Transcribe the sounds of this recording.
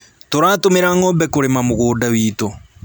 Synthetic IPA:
toɾaːtomeɾaŋobɛkoɾemamoɣoːdawiːto

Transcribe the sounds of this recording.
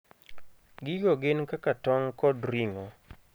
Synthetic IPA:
ɡɪɡoɡɪnkakatɔŋkɔdɾiŋɔ

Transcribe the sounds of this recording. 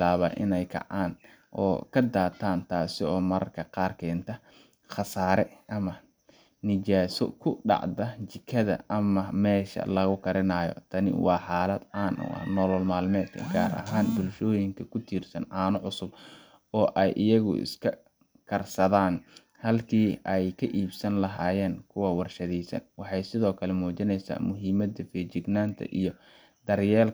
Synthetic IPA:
blaːβɐʔɪ̰nɛjkʰɐ̰ʕaːn | ʔɔ̰ːkʰɐd̪aːt̪ʰaːnt̪ʰaːsɪɔːmɐɾɐ̰rkʰɐqɑːrkʰɛːnt̪ʰɐ | χɑsaːɾɛʔɐmɐ | nɪt͡ʃaːsɔ̰kʰʊɖɑ̰ʕdɐt͡ʃɪkʰɐðɐ̰ɐmɐmɛːʃɐ̰lɐɣʊkʰɐɾɪnɐːjɔ̰t̪ʰɐnɪ̰wɑːħaːlɐd̪̥ʕaːnʊ̰ɐ̰hnɔːlɔlmaːlmɛːd̪kʰɐ̰ɡaːɾʔɐ̰ɦaːnbʊlʃɔːjɪŋkʰɐkʰʊt̪ʰiːrsɐnʕɑːnʊʕʊsʊb | ɔːʔɛjʔɪjɐɣʊ̰ɪ̰skʰɐ | kʰɐrsɐðaːn | hɐlkʰiːɛjkʰɐʔiːbsɐnlɐɦaːjɛːnkʰʊwɐwɑrʃɐðiːsɐ̰nwɑħɑjsɪðɔːkʰɐlɛmuːt͡ʃɪnɛjsa̰ːmʊɦiːmɐd̪ɐfɛːt͡ʃɪɡnaːnt̪ʰɐ̰ʔijɞ | d̪̥ɐrjɛːl

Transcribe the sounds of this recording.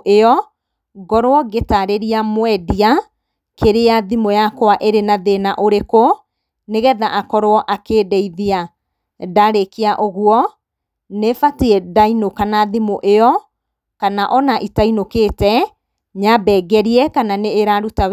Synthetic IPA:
ʔeɔ | ɡɔɾoɔɡetaɾeɾiamwɛdia | kʰeɾeaðimojakowaʔeɾenaðenaʔoɾeko | neɣɛðaʔakɔɾoɔʔakeːdɛiðia | daɾekeaʔoɣuɔ | nefatiɛdainokanaðimoʔeɔ | kanaʔɔnaʔitainokeːtɛ | ɲabɛɡɛɾiɛkananeːɾaɾuta

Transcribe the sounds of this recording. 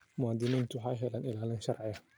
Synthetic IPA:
mʊaːd̪ɪmiːnt̪ʰʊwħajɦɛlaːnɪlaːlɪnʃɐrʕɪɐ

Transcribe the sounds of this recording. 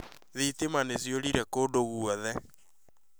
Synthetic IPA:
ðetemanesjoɾiɾɛkoːdoɣuɔðɛ

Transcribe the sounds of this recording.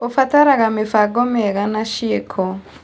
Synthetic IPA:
ofataɾaɣamefaɡɔmɛɣanaʃiekʰɔ

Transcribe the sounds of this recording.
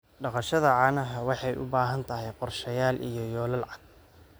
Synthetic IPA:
ɖɑqɑʃɐðɐʕɑːnɐɦɐwɑħɑjʔʊ̰baːɦɐnt̪ʰɐɦɛjqɔrʃɐjaːlʔḭjɞjɔːlɐlʕɑɡ̚

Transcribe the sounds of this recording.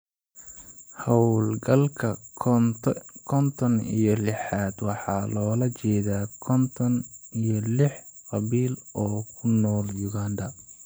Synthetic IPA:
hɐwlɡɐlkʰɐ | kʰɔnt̪ʰɔnḭjɔlɪħaːd̪wɑħɑːlɔːlɐt͡ʃɛːðaːkʰɔnt̪ʰɔnijɔlɪħqɑβiːlɔːkʰʊnɔːljʊɣaːnd̪ɐ

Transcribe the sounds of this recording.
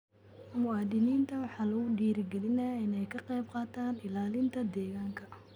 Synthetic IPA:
mʊaːd̪ɪniːnt̪ʰɐwɑħɑːlɐɣʊɖiːɾɪɡɛlɪnɛjɪnɛjkʰɐqɛjb̚qɑːt̪ʰaːnɪlaːlɪnt̪ʰɐd̪ɛːɣaːŋkʰɐ

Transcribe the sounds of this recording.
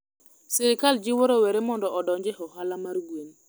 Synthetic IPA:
siɾɪkald͡ʒɪwoɾoweɾemɔndɔʔɔdɔɲd͡ʒehɔɦalamarɡwen

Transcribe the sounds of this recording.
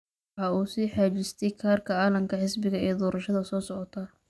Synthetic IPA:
wɑħɑːuːsiːħaːt͡ʃɪst̪ʰɛjkʰaːrkʰɐaːlɐmkʰɐħɪsbɪɣɐḭjɔd̪ɔːɾɐʃɐðɐsɔːsɔʕɔt̪ʰɐ

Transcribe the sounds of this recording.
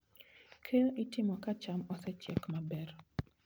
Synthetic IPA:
kʰeʔitɪmɔkat͡ʃamɔsɛt͡ʃjɛ̰kmabɛr

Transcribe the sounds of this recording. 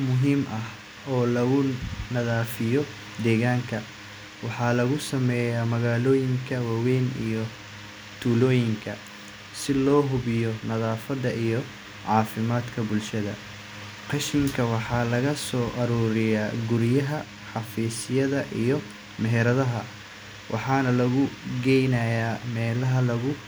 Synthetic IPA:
mʊɦiːmʔɐh | ɔːlɐɣʊnɐðaːfɪjɔ | d̪ɛːɣaːŋkʰɐ | wɑħɑːlɐɣʊsɐmɛːjjaːmɐɣaːlɔːjɪŋkʰɐwɑwɛːnḭjɔ | t̪ʰuːlɔːjɪŋkʰɐ | sɪlɔːɦʊβɪjɔnɐðaːfɐðɐʔijɔ | ʕɑːfɪmaːd̪kʰɐbʊlʃɐðɐ̰ | qɑʃɪŋkʰɐwɑħɑːlɐɣɐsɔːʔɐɾuːɾɪjaːɡʊɾjɐɦɐ | ħɑfiːsɪjɐðɐʔijɔ | mɛɦɛɾɐðɐɦɐ | wʔɑ̰ħɑːnɐlɐɣʊɡɛjnɐjaːmɛːlɐɦɐlɐɣʊ

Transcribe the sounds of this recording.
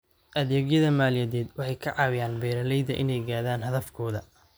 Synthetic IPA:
ʔɐðɛːɡjɐðɐmaːljɐðɛːd̪wɑħɑjkʰɐʕɑːwɪjaːnbɛːɾɐlɛjðɐ̰ʔɪ̰nɛjɡaːðaːnɦɐðɐfkʰɔːðɐ

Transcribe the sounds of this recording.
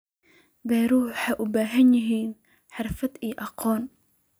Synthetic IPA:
bɛːɾuːwħaʔʊbaːɦɐnjɪɦiːn | ħɑrfɐd̪iːʔɑqɔːn

